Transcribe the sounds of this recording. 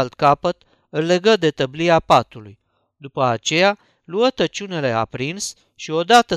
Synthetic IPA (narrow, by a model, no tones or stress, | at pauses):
lt̪kapət̪ | ɨlle̞ɡəd̪e̞t̪əbliapat̪uluj | d̪upəat͡ʃe̞ja | luət̪ət͡ʃune̞le̞a̰pɾins | ʃio̞d̪at̪ə